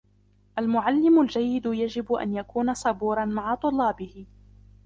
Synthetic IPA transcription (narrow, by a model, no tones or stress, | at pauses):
ʔalmʊʕalːɪmʊld͡ʒajːɪd̪ʊjad͡ʒɪbʔa̰njakuːnasˤɑbuːɾˤɑnmaʕat̪ˤʊlːɑːbɪhɪ